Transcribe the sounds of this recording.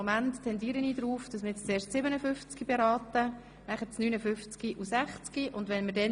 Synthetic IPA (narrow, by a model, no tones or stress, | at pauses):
mænttʰːɛndiːɾəniːdɾuːfd̥ɑsmɪɾɛt͡st͡seːɾʃtsɪbənəfʏft͡skɡibeɾɑːtə | næχət͡snyːnəfʏft͡skiʔusæχt͡skiʔʊndʋɛnməɾdɛ